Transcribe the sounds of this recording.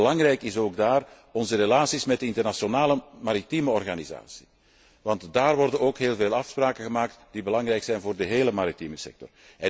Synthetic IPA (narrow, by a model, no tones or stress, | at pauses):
əlɑŋrɛjkɪsoːɡ̚daːr | ɔnzəɾelaːsismɛtdəɪntərnasonaːləmaɾitiməɔrɣaniza̰ːsi̥ | ʋɑntdaːrʋɔrdənoːkɦeːlˠveːlˠɑfspraːkəɣəmaːk̚td̥ibəlɑŋrɛjksɛjnvoːrdəɦeːləmaɾitiməsɛ̰k̚tɔ̰r | ɛ